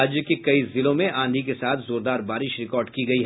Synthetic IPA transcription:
d͡ʒjəkekɐizɪlõmẽʔãːnd̪ʱikesaːt̪ʰzoːɾd̪aːɾbaːɾɪʃɾɪkɔːɾɖkiɡɐiɦ

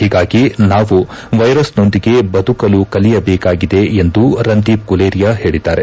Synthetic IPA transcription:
hiːɡaːɡinaːʋu | ʋɐjɾɐsno̞nd̪iɡe̞bɐd̪ʱukɐlukɐlijɐbɛːkaːɡid̪e̞end̪uɾɐnd̪iːp̚kuleːɾijaɦe̞ːɭid̪aːɾe̞

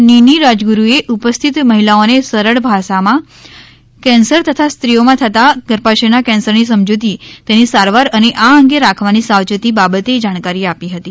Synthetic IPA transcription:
niniɾad͡ʒɡuɾueʔupəst̪ʰit̪məɦilaonesəɾəɽbʱaʃamã | kɛ̃nsəɾt̪ət̪ʰast̪ɾiomãt̪ʰət̪aɡ̥əɾpaʃenakɛ̃nsəɾnisəmd͡ʒod̪it̪enisaɾʋaɾəneʔaəŋɡeɾakʰʋanisawt͡ʃət̪ibabət̪ed͡ʒaɽ̃kaɾiapiɦət̪i

